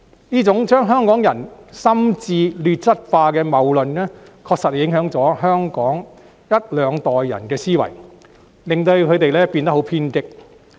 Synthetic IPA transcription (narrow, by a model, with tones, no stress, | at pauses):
niː˥t͡sʊ˨˥ŋt͡ʃœː˥ŋɦœː˥ŋkɔː˨˥ŋjɐ˨˩nsɐ˥mt͡siː˧lyː˨˧t̚t͡sɐ˥t̚faː˧kɛː˧mɐ˨wlɵ˨nnɛː˥kʰɔː˧k̚sɐ˨t̚hjɪ˨˥ŋɦœː˨˥ŋt͡sɔː˨˥ɦœː˥ŋkɔː˨˥ŋ | jɐ˥t̚lœː˨˧ŋt̪ɔː˨jːɐ̰˨˩nkɛː˧siː˥wɐ̰˨˩j | lɪ˨ŋt̪ɵ˧ɥkʰɵ˨˧ɥt̪e˨jlɛː˥piː˧nt̪ɐ˥ɦo˨˥wpʰiː˥nkɪ˥k̚